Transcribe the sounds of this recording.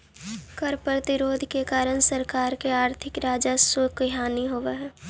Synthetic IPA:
kəɾpɾət̪ɪɾoːd̪ʱkekaːɾənsəɾkaːɾkeaːɾt̪ʰɪkɾaːd͡ʒasokəɦaːniɦoːʋeɦɛ

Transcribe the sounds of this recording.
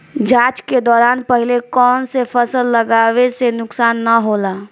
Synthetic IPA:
d͡ʒaːt͡ʃked̪ɔːɾaːnpəɦlekɔːnsepʰəsəlːəɡaːwesenʊksaːnːəɦoːlaː

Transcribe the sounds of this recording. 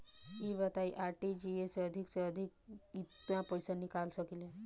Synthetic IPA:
ibət̪aiʔaɾʈid͡ʑiesəd̪ʱikseəd̪ʱik̚ijãpəjsanikalsəkile

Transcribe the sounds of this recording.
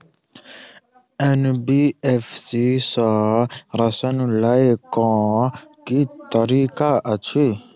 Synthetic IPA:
ɛnbiɛfsisɔɾasɔnũlaekɔ̃kit̪aɾikaʔat͡ʃʰi

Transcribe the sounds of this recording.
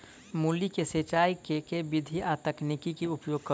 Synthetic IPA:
muːlikeset͡ʃaːikekebɪd̪ʱiʔat̪əknikikiʊpjoːɡ̚kə

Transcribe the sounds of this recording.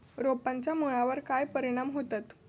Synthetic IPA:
ɾopaɲt͡ɕjamuɭaʋəɾkajpəɾiɽ̃amɦot̪at̪

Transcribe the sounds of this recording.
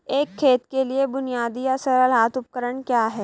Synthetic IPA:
eːkʰːeːt̪keliebʊnijaːd̪ijasɐɾəlɦaːt̪ʊp̚kəɾəɳ̃kjaːɦɛː

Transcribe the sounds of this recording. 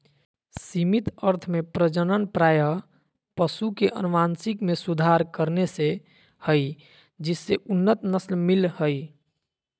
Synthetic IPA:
simit̪əɾt̪ʰmepɾəd͡ʒənənpɾajə | pəsukeʔə̰nuʋansikmesud̪ʱaɾkəɾnese | həj | d͡ʒisːeʔunːət̪nəslmilhəj

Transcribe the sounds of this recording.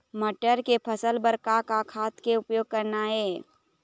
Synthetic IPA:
məʈəɾkepʰəsəlbəɾkakakʰaːt̪keʊpjoːɡ̚kəɾnaɦɛː

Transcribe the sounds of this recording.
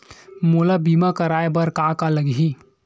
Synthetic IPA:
mulabimakəɾajbəɾkakaləɡɦi

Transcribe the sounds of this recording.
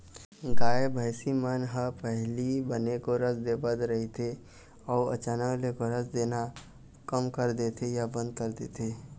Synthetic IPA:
ɡaːebʱəɪsimənɦəpəɦlibənekoɾəsd̪ebəd̪ɾəɦit̪ʰe | ɔːə̰t͡ʃaːnəklekoɾəsd̪eːna | kəmkəɾd̪et̪ʰejabə̃nd̪̚kəɾd̪et̪ʰe

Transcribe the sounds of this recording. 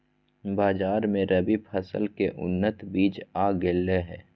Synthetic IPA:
baːd͡ʒaːɾmẽɾəbippʰəsə̰lkeʔʊ̰nːət̪biːt͡ʃaːɡeːleɦɛː

